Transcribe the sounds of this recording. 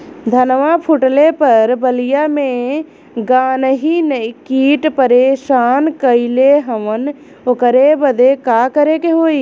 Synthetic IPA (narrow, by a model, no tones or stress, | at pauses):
d̪ʱənʋapʰʊʈlepɐɾbəlijamẽ | ɡaːnɦinəikiːʈpəɾeːʃaːnkəileɦəmən | okəɾebəd̪ekaːkəɾekeɦoːiː